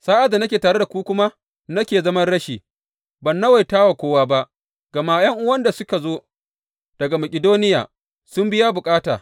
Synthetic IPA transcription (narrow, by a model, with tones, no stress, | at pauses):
saː˦ʔa˨da˨nɐ˦kʲeː˨taː˨ɽe˦da˨kʷuː˦kʷʊ˦ma˦ | nɐ˦kʲeː˨zɐ˦mɐ˦nɽɐ˦ʃiː˨ | bɐ˨nːa˦wa˨jtaː˦wa˨kʷoː˦waː˦ba˦ʔ | ɡ̥ɐ˨ma˦jɐ˦ŋʔʊ˦wɐ˦nda˨sʊ˦ka˨zoː˦ | d̥ɐ˨ɡa˨mɐ˨kʲʼɪ˨doː˦nɪ˦ja̰ː˨ | sʊ˦mbɪ˦ja˦bʊ˨kʼaː˦taː˨